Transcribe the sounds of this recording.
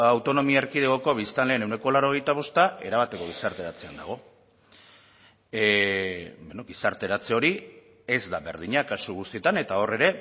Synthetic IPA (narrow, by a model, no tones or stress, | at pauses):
awt̪o̞no̞miaeɾkiðeɣo̞ko̞β̞ist̪anle̞ːne̞wne̞ko̞laɾo̞ɣ̞e̞jt̪aβ̞o̞st̪aʔe̞̰ɾaβat̪e̞ko̞ɣ̞isaɾt̪e̞ɾat͡se̞a̰nd̪a̰ɣ̞o̞ | benoɡisaɾt̪e̞ɾat͡se̞o̞ɾi | ezd̪aβe̞ɾð̞iɲakasuɣust̪ie̞t̪ane̞t̪ao̞re̞ɾe̞